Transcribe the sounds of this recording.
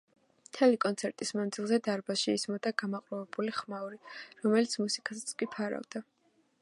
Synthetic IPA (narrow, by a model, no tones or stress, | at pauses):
t̪ʰɛlikʼɔnt̪sʰɛɾt̪ʼismand̪zilˠzɛd̪aɾbaʃiːsmɔd̪aɡamaqʼɾɔvɛbuliχmauɾiɾɔmɛlit̪sʰmusi̥kʼast̪sʰkʼipʰaɾa̰vd̪a